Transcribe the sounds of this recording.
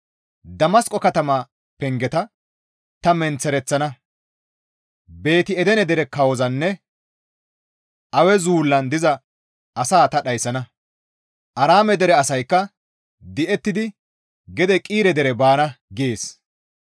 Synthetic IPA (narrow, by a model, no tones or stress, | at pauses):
d̪ɐmɐskʼɔkɐt̪ɐma | pɛŋɡɛt̪ɐ | t̪ɐmɛnt͡sɛɾɛt͡sːɐnɐ | be̞ːt̪ɪɛd̪ɛnɛd̪ɛɾɛkɐwɔzɐnːɛ | ʔɐwɛzuːlːɐnd̪ɪzɐ | ʔɐsaːt̪ɐɗɐjsɐnɐ | ʔɐɾaːmɛd̪ɛɾɛɐsɐjkːɐ | d̪ɪʔɛt̪ːɪd̪ɪ | ɡɛd̪ɛkʼiːɾɛd̪ɛɾɛbaːnɐɡeːs